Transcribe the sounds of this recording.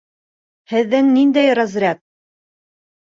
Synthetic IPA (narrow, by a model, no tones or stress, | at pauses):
hɘ̆ðːɘŋnind̪æjɾɑzɾʲæt̪̚